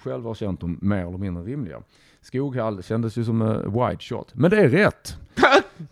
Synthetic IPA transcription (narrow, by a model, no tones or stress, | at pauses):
ɧɛlvhaɾɕɛnt̪̚d̪ɔmːeːɾɛlːəɾmɪnd̪ɾəɾɪmlɪɡa̰ | skuːɡhalːɕɛnd̪əsjɵsɔmwa̰jd̪ɕɔ̰t̪ːmɛnd̪ɛæɾɾɛt̪ː